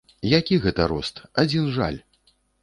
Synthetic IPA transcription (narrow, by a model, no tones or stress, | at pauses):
jakʲiɣɛt̪ɐɾɔst̪ad͡zʲinʐa̰lʲ